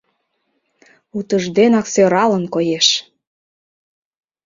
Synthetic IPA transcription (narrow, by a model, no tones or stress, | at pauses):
ut̪əʒd̪enɑksøɾɑlənkojeʃ